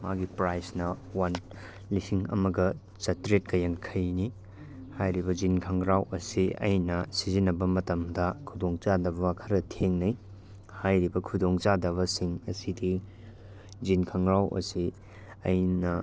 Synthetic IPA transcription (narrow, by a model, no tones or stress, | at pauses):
maɡipɾajsnɐwɐn | lisiŋɐ̰mɐɡɐ | t͡ʃɐtɾet̚kɐjaŋkʰɐjni | hajɾibɐd͡ʒinkʰɐŋɾawʔɐsiɐ̰jnɐsizinːɐbɐmɐtɐmdɐkʰudoŋt͡ʃadɐbɐakʰɐɾɐtʰeŋnɐj | hajɾibɐkʰudoŋt͡ʃadɐβɐsiŋɐsidi | d͡ʒinkʰɐŋɾawʔɐ̰si | ɐjnɐ